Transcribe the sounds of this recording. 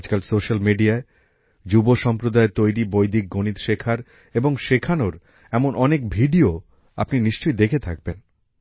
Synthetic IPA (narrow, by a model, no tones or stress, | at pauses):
d͡ʑkalsoʃalmiɖiae | d͡ʑuboʃɔmpɾod̪aet̪ojɾibojd̪ik̚ɡonit̪ʃekʰaɾ | eboŋʃekʰanoɾ | ɛmonʔɔnekbʱiɖio | a̰pniniʃt͡ɕojd̪ekʰet̪ʰak̚ben